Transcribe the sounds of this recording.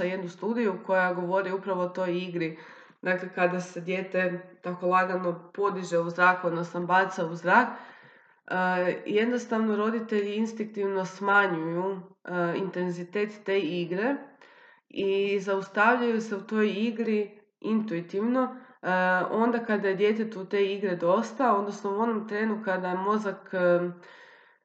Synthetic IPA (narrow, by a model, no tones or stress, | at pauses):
aje̞d̪nust̪uːd̪ijuko̞jaɡo̞ʋo̞ɾiupɾaʋo̞ot̪o̞jiɡɾi | d̪akle̞kad̪ase̞d̪je̞ːt̪e̞t̪ako̞lˠaɡalno̞po̞d̪iʒeuzɾaːkud̪nosambaːt̪sauzɾaːk | je̞d̪no̞st̪aʋno̞ɾo̞d̪it̪e̞ʎiinst̪iŋk̚t̪iʋno̞smaɲuju | int̪e̞nzit̪e̞ːt̪ːe̞ːiɡɾe̞ | izaust̪aʋʎajuse̞ut̪o̞jiɡɾi | int̪uit̪iʋno̞ | o̞nd̪akad̪ajed̪je̞t̪e̞t̪ut̪e̞iɡɾed̪o̞st̪ao̞nd̪nosnouo̞nomt̪ɾe̞ːnukad̪ajemo̞zakː